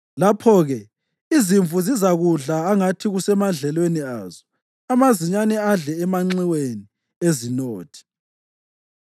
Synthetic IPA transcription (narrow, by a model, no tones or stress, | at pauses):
lapʰɔɣɛ | iziɱfuzizaɣuɮaːŋatʰiɣusɛmaɮɛlweniaːzɔ | amaziɲanɛaɮɛːmaŋ͡ǀiweni | ezinoːtʰi̥